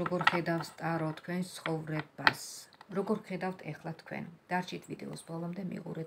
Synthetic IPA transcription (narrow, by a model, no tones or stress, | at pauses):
ɔɡɔɾχɛd̪afst̪ʼaɾɔt̪ʰkʰwɛnst̪sʰχɔvɾɛbasɾɔɡɔɾχɛd̪aft̪ʰɛχlˠat̪ʰkʰwɛ̰nd̪̥aɾt͡ʃʰit̪ʰvid̪ɛ̰ɔsbɔlˠɔmd̪ɛmḭqʼṵɾɛ